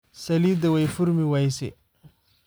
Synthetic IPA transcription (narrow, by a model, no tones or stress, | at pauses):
sɐlid̪awajfuɾmiwajsḛ